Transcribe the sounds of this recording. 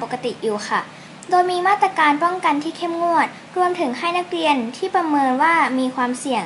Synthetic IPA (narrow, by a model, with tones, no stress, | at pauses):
o˨˩kːa˧t̪i˨˩ʔjuː˨˩xʰa˥˩ | doː˧jmiː˧maː˥˩t̪ɾa˧kaː˧npɔ˥˩ŋka˧nt̪ʰiː˥˩kʰe˥˩mŋu˥˩ət̪̚ | ɾu˧əmt̪ʰɯ˩˦ŋɦa˥˩jna˦˥k̚ɾi˧ənt̪ʰiː˥˩pɾa˧mɤː˧nwaː˥˩miː˧kʰwaː˧msi˨˩əŋ